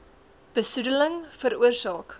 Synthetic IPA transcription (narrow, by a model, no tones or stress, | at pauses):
b̥əsudələŋfəɾuərsɑːk